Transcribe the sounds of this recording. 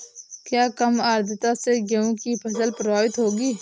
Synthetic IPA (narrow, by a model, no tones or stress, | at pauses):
kjaːkɐmaːɾd̪ɪt̪aseɡeũkipʰɐsəlpɾʋaːwɪt̪ɦoːɡiː